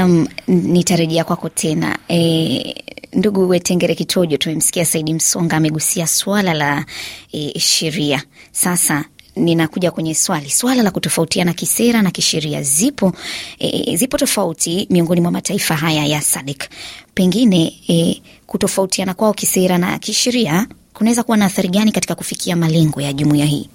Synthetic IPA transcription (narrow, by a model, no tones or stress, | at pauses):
amnitaɾɛʄɛakwakɔtʰɛna̰ɛ | nduɠuwɛtɛŋɡɛɾɛkitʰɔʄɔtumɛm̩si̥kiasaiɗim̩sɔŋɡaːmɛɠusiaswalalaɛʃɛɾiasasaninakuʄakwɛɲɛswaliswalalakutɔfautianakisɛɾanakiʃɛɾia̰zipɔ | zipɔtɔfautʰimiɔŋɡɔnimwamataifaɦajajasaɗɛkpɛŋɡinɛ | kutɔfautianakwaɔkisɛɾana̰kiʃɛɾia | kunawɛzakuwanaːθaɾiɠanikatikakufikʰiamalɛŋɡɔjaʄumuiaɦḭː